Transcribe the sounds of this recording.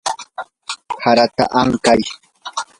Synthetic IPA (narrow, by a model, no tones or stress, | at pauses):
haɾat̪a̰ʔaŋkaj